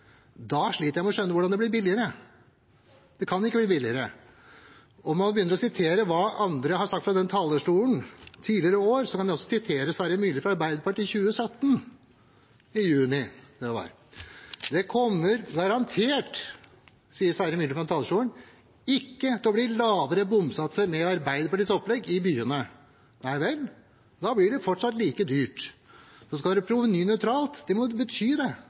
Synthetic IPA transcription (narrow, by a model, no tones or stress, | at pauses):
d̪ɑʂɭiːt̪əjæɪmɛɔʂœnːəʋʊɖɑnd̪ɛblɪɾbɪlɪəɾə | d̪ɛkʰɑnɪkːəbliːbɪlɪəɾə | ɔmɑnbəjʏnːəɾɔsɪt̪ʰeːɾəʋɑːɑnd̪ɾəhɑɾsɑk̚t̪fɾɑd̪ɛnt̪ʰɑːləʂʈuːənt̪ʰiːlɪəɾəoːɾsɔkʰɑnæɪɔsːɔsɪt̪ʰeːɾəsæːɾəmyːlɪfɾɑɑɾbæɪd̪əpɑʈiːçʉːəsœt̪ːən | ɪjʉːnɪd̪ɛʋɑ̰ɾ | d̪ɛkʰɔmːəɾɡɑɾɑnt̪ʰeːʈ | siːəsæːɾəmyːlfɾɑmt̪ʰɑːləʂuːəɳ | ɪkːət̪ʰɛɔbliːlɑːʋəɾəbʊmsɑt̪ːsəɾmɛɑɾbæɪd̪əpʰɑʈiːsɔplɛɡɪbyːənə | næɪʋɛl | d̪ɑblɪɖɛfɔʈʂɑt̪ːliːkəd̪yːʈsɔskɑld̪ɛpʰɾuːʋənyːnœʏt̪ʰɾɑːlt̪d̪ɛmɔbət̪ʰyːd̪ɛ